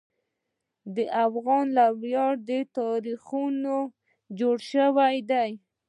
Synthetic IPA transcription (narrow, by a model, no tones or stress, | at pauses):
d̪əʔafɣɑnlabjɑɾd̪ət̪ɑɾixuno | d͡ʒoɽʃəwajd̪aj